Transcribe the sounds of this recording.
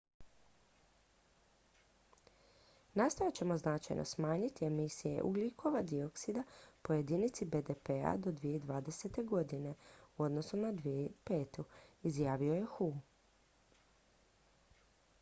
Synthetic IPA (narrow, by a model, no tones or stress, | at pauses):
nast̪ojat͡ɕe̞mo̞znat͡ʃa̰jnʔo̞̰smaːɲit̪ie̞misije̞̰ʔṵɡlikʰo̞ʋad̪io̞ksid̪apo̞je̞d̪iːnit̪sibe̞d̪e̞pea̰d̪o̞d̪ʋije̞id̪ʋaːd̪e̞se̞t̪e̞ɡo̞d̪ine̞uo̞d̪no̞sunad̪ʋieipe̞ːt̪uizjaːʋio̞je̞xu